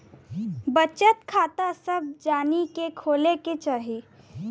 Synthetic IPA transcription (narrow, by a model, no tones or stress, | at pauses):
bət͡ʃət̪kʰaːt̪asɐb̚d͡ʒaːnikekʰoːleket͡ʃaːɦi